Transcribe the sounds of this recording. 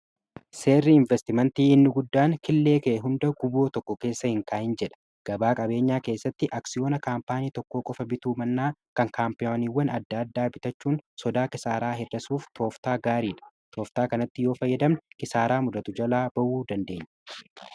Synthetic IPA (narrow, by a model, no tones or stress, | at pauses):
se̞ːrːiɪɱvɛst̪ɪmɐnt̪iːɪnːʊɡʊd̪ːaːŋkɪlːe̞ːkɛɛɦʊnd̪ɐɡʊbo̞ːt̪ɔkːɔke̞ːsːɐhɪŋkaːʔɪnd͡ʒɛᶑɐ̥ | ɡ̥ɐbaːkʼɐbe̞ːɲːaːke̞ːsːɐt̪ːɪʔaksɪjo̞ːnɐkaːmpaːniːt̪ɔkːo̞ːkʼɔfɐbɪt̪uːmɐnːaːkɐŋkaːmpɪjoːniːwːɐnɐd̪ːaːd̪ːaːbɪt̪ɐt͡ʃːuːnsɔd̪aːkɪsaːɾaːɦɛrːɐsuːft̪ʰo̞ːft̪aːɡaːɾiːᶑɐ̥ | t̪ʰoːft̪aːkɐnɐt̪ːɪjoːfɐjːɐd̪ɐmnkɪsaːɾaːmʊd̪ɐt̪ʊd͡ʒɐlaːbɐʔuːd̪ɐnd̪e̞ːɲːɐ̥